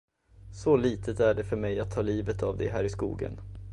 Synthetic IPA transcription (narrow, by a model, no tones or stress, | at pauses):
sɔliːt̪ʰət̪æɖɛfœɾmɛjat̪ʰːɑːliːvət̪avd̪ɛ̰ɦæːɾɪskṵːɡə̰n